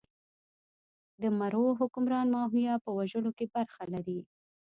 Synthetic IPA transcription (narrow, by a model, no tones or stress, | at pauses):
d̪əmaɾoɦʊkʊmɾɑnmɑɦujɑpəwaʒəlokebaɾxalaɾi